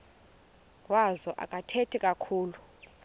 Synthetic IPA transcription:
wazɔʔa̰kʼatʰetʰikʼakʰuːlu

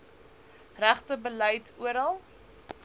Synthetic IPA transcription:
ræχtəbələjtuəɾəlˠ

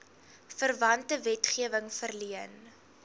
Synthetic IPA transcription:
fərvɐntəvɛtχiəvəŋfərliən

